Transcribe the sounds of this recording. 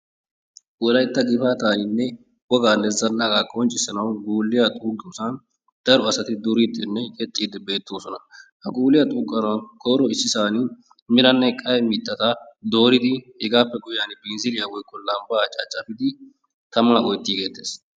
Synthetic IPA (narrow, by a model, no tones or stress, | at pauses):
wɔlɐjt̪ːɐɡɪfaːt̪aːnɪnːɛ | wɔɡaːnːɛzɐnːɐɡaːkʼɔnt͡ʃʼːɪsɐnɐwɡuːlːɪjɐt̪ʼuːɡʊsɐn | d̪̥ɐɾɔɐsɐt̪ɪd̪ʊɾɪd̪ɪnːɛkʼɛt̪ʼːiːd̪ɪbe̞ːt̪ːoːsɔnɐhɐɡuːlːɪjɐt̪ʼuːɡɐnɐnkʰɔːɾɔɪsːɪsaːn | mɪlɐnːɛkʼɐjɛmit̪ːɐt̪ɐd̪o̞ːɾɪd̪ɪhɛɡaːpːɛɡʊjaːnɪbɛnzɪlɪjawɔjkʼːɔlɐmbaːt͡ʃʼat͡ʃʼːɐfɪd̪ɪ | t̪ɐmaʔɔjt̪ːiːɡeːt̪ːeːs